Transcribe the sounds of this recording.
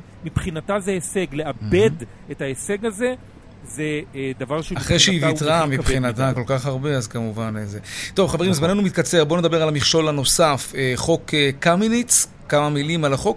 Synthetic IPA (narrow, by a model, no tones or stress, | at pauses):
mipχinatazeeseɡleʔabed | etaeseɡaze | zed̪avaʁʃeaχʁejʃeivitʁamipχinat̪ako̞lkaχhaʁbe̞azkamuvanezet̪o̞vχavimazmane̞numit̪̚kat͡se̞ʁbo̞ned̪abe̞ʁalamiχʃo̞lano̞safeχo̞kekaminit͡s | kamamilimalaχo̞k